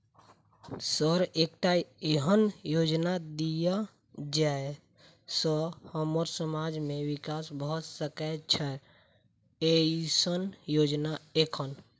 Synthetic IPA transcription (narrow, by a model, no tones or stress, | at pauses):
səɾekʈaeɦənjod͡ʒnad̪ija | d͡ʒae | səhəməɾsəmad͡ʒmẽwɪkaːsbʱəsəkɛt͡ʃʰə | eisənjoːd͡ʒnaekʰən